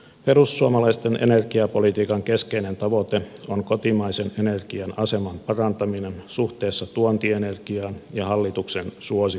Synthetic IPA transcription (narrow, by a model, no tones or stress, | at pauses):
pe̞rusːuɑmɑlɑist̪enʔḛne̞rɡ̥iɑpo̞lit̪iːkɑŋke̞skeinent̪ɑʋo̞t̪eoŋkot̪imɑisenenerɡ̥iɑnɑse̞mɑmpɑrɑnt̪ɑminensuht̪e̞ːsːɑt̪uont̪iene̞rɡ̥iɑːnjɑhɑlːit̪uksensuosi